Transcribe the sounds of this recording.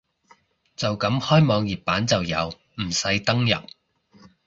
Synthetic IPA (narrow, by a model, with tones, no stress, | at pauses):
t͡sɐ˨wkɐ˨˥mhɔː˥jmɔː˨˧ŋjiː˨p̚pːaː˨˥nt͡sɐ˨wjɐ˨˧w | m̩˨˩sɐ˨˥jt̪ɐ˥ŋjɐ̰˨p̚